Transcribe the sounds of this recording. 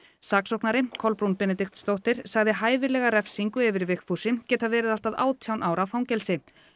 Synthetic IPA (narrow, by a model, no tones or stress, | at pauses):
saːksɔwknaɾɪkʰɔlpɾunpɛnɛt̪ikt̪st̪owht̪ɪɾ̥saɣðɪɦaːjvɪlɛɣaɾɛfsiŋkʏɛvɪɾvɪxfusɪcɛːt̪avɛːɾɪðal̥t̪aða̰ːwt̪ʰjawnʔaːwɾawfawɲcɛlsɪ